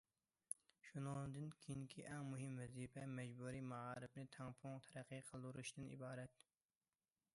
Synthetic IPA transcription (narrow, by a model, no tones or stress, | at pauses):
ʃunɨd̪ɨnkʲʰejiŋkʲʰiʔɛŋmuɦɪmvɛzipɛmɛd͡ʒbuːɾimɑʁɑːɾɨbnɨt̪ʰɛŋpʰʊŋt̪ʰɛɾæqʰːɨqʰəlˠd̪uɾuʃd̪ɨnḭbɑːɾɛt̪